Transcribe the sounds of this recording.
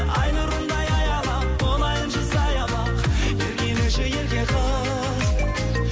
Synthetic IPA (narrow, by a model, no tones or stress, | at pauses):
ɑjnəɾʊnd̪ɑjɑjɑlˠɑp̚bolˠɑjənʃəzɑjɑlˠɑqeɾɡʲe̞nɪŋʃeje̞lɡʲe̞qʰə | z